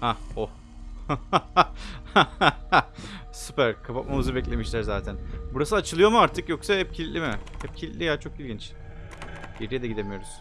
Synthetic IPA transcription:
haoh | a | supæɾkʰapat̪̚mamɯzɯbɛc̬lʲe̞miʃlʲæɾzaːt̪ʰænbuɾas̬ɯat͡ʃʰɯlˠɯjo̞muaɾt̪ʰɯkjo̞ksahɛp̚cʰilʲt̪lʲimɪhɛp̚cʰilʲit̪ʲlʲijat͡ʃʰo̞kilʲɡʲɟint͡ʃ | ɟeɾijed̪ɛɟid̪e̞mijo̞ɾuz̥

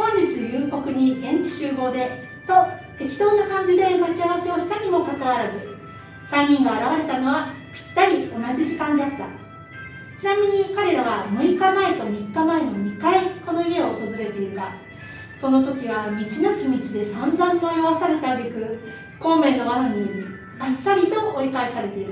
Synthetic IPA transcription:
hõ̞ɲ̟d͡ʑit͡sɨjɯːko̞kɯ̟ɲ̟iɡẽ̞ɲt͡ɕi̥ɕɨːɡo̞ːd̪e̞ | t̪o̞t̪e̞kʲi̥t̪o̞ːnakãɲ̟d͡ʑid̪e̞mat͡ɕiaβ̞ase̞o̞ɕi̥t̪aɲ̟imo̞kakaβaɾazɨ | sãɲʲːĩŋɡaaɾaβaɾe̞t̪ano̞βa | pʲi̥t̪ːaɾʲio̞nad͡ʑiʑikãnd̪eat̪ːa | t͡ɕinamʲiɲ̟ikaɾe̞ɾaβamɯ̟ɾʲikamaet̪o̞mʲikːamaenomʲikaeko̞no̞ie̞oːt̪o̞zɨɾe̞t̪e̞iɾɯ̟ma | so̞no̞t̪o̞kʲiβamʲit͡ɕinokʲimʲit͡ɕid̪e̞sãnzãmːaeaβasaɾe̞t̪abe̞kɯ̟ | kõ̞ːmːẽ̞no̞manaɲ̟i | asːaɾʲit̪o̞ʔoikaesaɾe̞t̪e̞iɾɯ

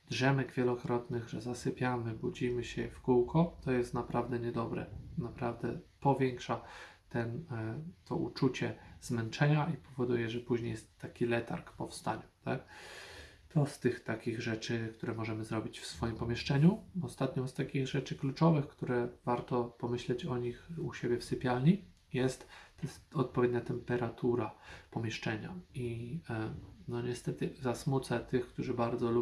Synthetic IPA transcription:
d̪ʐɛmɛɡvʲjɛlɔkɾɔt̪nɘɣʐɛzasɘpʲjamɘbud͡ʑimɘɕɛfkuwkʰɔt̪ɔjɛst̪napɾavd̪ɛɲɛd̪ɔbɾɛ̰napɾavd̪ɛpɔvʲjɛŋkʂat̪ɛnt̪ʰɔ̰ʔṵt͡ʂut͡ɕɛz̥mɛnt͡ʂɛɲaipɔvɔd̪ujɛʐɛpuʑɲejɛst̪ːakʲilɛt̪a̰ɾkpɔfst̪aɲut̪ak̚ | t̪ɔst̪ɘxt̪akʲiɣʐɛt͡ʂɘkt̪uɾɛmɔʐɛmɘzɾɔbʲit͡ɕfsfɔjimpɔmʲjɛʂt͡ʂɛɲuɔst̪at̪ɲɔ̃wst̪akʲiɣʐɛt͡ʂɘklut͡ʂɔvɘxkt̪uɾɛvaɾt̪ɔpɔmɘɕlɛt͡ɕɔɲixuɕebʲjɛfsɘpʲjalɲi | jɛst̪ɛɔt̪̚pɔvʲjed̪̚ɲat̪ɛmpɛɾat̪ʰuɾapɔmʲjɛʂt͡ʂɛɲai | nɔɲɛst̪ɛt̪ɘzasmut̪sɛt̪ɘxkt̪uʐɘbaɾd̪zɔlu

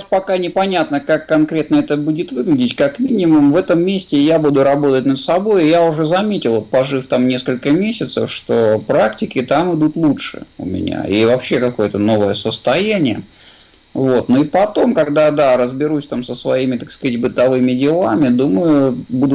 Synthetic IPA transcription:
spɐkanʲɪpɐnʲat̪nəkakːɐnkɾʲe̞t̪̚nəɛt̪əbudʲɪt̪vɨɡlʲɪdʲɪtʲkakmʲinʲɪmʊmvɛt̪əmːʲesʲtʲɪjabud̪ʊɾɐbo̞t̪ətʲnəd̪sɐbo̞jɪjaʊʐɛzɐmʲetʲɪlˠot̪̚pɐʐɨft̪amnʲe̞skəlʲkəmʲesʲɪt̪sə̰fʂt̪opɾaktʲɪkʲɪt̪amɨd̪ut̪lˠutʂɨ̰ʊ̰mʲɪ̰nʲa̰ivɐpɕːe̞kɐko̞jət̪əno̞vəjəsəst̪ɐjænʲɪjə | vo̞t̪noipɐt̪o̞mkɐɡd̪ad̪aɾəzbʲɪɾusʲt̪amsəsvɐimʲɪt̪akskɐatʲbɨt̪ɐvɨmʲɪdʲɪlˠamʲɪd̪uməjʊbud̪ʊ

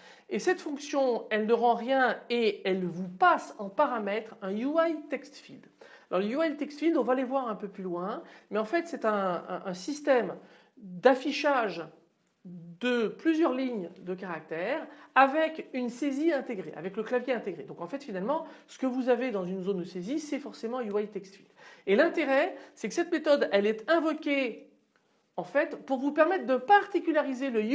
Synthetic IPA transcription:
esɛt̪fɔ̃ksjɔ̃ɛlnəʁɑ̃ʁjɛ̃eɛlvupasɑ̃paʁamɛt̪χɛ̃juajt̪ɛkst̪fild̪ | alʔɔʁləjuajt̪ɛkst̪fild̪ɔ̃valevwaʁɛ̃pøplylwɛ̃mɛɑ̃fɛt̪sɛt̪ɛ̃ːsist̪ɛm | d̪afiʃaʒ | d̪əplyzjœʁliɲd̪əkaʁak̚t̪ɛʁavɛkynseziɛ̃t̪eɡʁeʔa̰vɛkləklavjeɛ̃t̪eɡʁed̪ɔ̃kɑ̃fɛt̪finalmɑ̃sə̥kəvuzaved̪ɑ̃zynzond̪əsezisɛfɔʁsemɑ̃juajt̪ɛkst̪ilelɛ̃t̪eʁɛsɛkə̥sɛt̪met̪ɔd̪ɛlɛt̪ɛ̃vɔkʲe | ɑ̃fɛt̪puʁvupɛʁmɛt̪χd̪əpaʁt̪ikʲylaʁizelə

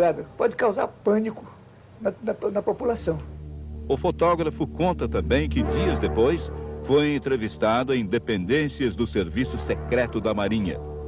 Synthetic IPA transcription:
ad̪ʊpɔd͡ʒɪkawza̰ɾpɐ̃nikʊ | nɐnɐnɐpopulasɐ̃w̃ʊfot̪ɔɡɾɐfʊkõnt̪ɐt̪ɐ̃mbẽj̃kɪd͡ʒiɐzd̪epojsfojẽnt̪ɾevist̪ad̪ʊẽj̃d̪epẽnd̪ẽsiɐzd̪ʊseɾvisʊsekɾɛt̪ʊd̪ɐmaɾĩɲɐ̰

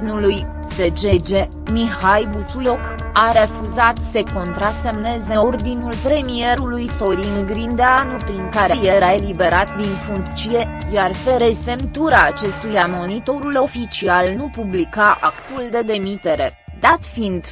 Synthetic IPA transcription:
nuluj | se̞d͡ʒe̞d͡ʒe̞ | mihajbusujok | aɾe̞fuzat̪se̞ko̞nt̪ɾase̞mne̞ze̞o̞rd̪inulpɾe̞mie̞ɾulujso̞ɾiŋɡɾind̪eanupɾiŋkaɾe̞jeɾae̞libe̞ɾat̪d̪infuŋkt̪t͡ʃie̞jarfe̞ɾe̞se̞mt̪uɾaːt͡ʃe̞st̪ujamo̞nit̪o̞ɾulo̞fit͡ʃialnupublikaʔakt̪uld̪e̞d̪e̞mit̪e̞ɾe̞d̪at̪find̪

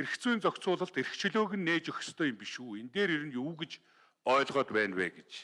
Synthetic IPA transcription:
eɾɘ̆kt͡suiːnt͡sɔkt͡sʊːɮə̆ɬt̪eɾ̆kt͡ɕʰĭɮoːɣɘ̆nːeːt͡ɕɵxʲə̥̆st̪ʰœːjʊ̆mpiʃuːent̪eːɾiɾɘ̆njuːɡet͡ɕ | ɔːɮʁɔːt̪pæːnpæ̰ːɡet͡ɕ

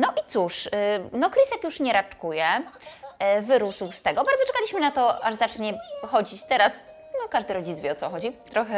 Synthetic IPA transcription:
nɔʔit̪suʂnɔkɾisɛkjuʂɲɛɾat͡ʂkujɛ | vɘɾuswst̪ɛɡɔbaɾd̪zɔt͡ʂɛ̥kalʲiɕmɘnat̪ɔaʐzat͡ʂɲɛxɔd͡ʑit͡ɕt̪ɛɾas | nɔkaʐd̪ɘɾɔd͡ʑitsvʲjɛɔsɔxɔd͡ʑit̪ɾɔxɛ

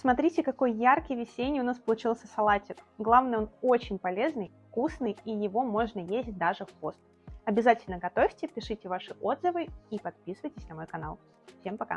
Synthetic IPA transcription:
smɐt̪ɾʲitʲɪkɐko̞jjarkʲɪjvʲɪsʲenʲɪjəʊnaspəlˠʊt͡ɕilˠsʲəsɐlˠatʲɪkɡlˠavnɨjo̞no̞t͡ɕɪnʲpɐlʲe̞znɨjfkusnɨjijɪvo̞mo̞ʐnəjezʲt̚ʲd̪aʐɨfpost̪ | ɐbʲɪzatʲɪlʲnəɡɐt̪o̞fʲtʲɪpʲɪʂɨtʲɪvaʂɨʔo̞d̪zəvɨipɐt̪̚pʲisɨvəjtʲɪsʲnɐmo̞jkɐna̰lˠ | fsʲempɐka̰

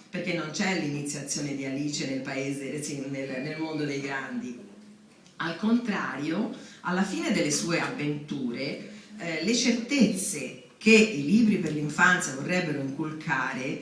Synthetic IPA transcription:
perk̟enːont͡ʃɛlinit̪sːjat̪sːjoːned̪ialiːt͡ʃenelpaeːzeesinelnelmond̪od̪ejɡɾand̪i | alkont̪ɾa̰ːɾjoalːafiːned̪elːesuːeavːent̪uːɾe | let͡ʃert̪et̪sːe | kʰeiliːbɾiperliɱfant̪sjavorːɛbːeɾoiŋkulkʰaːɾe

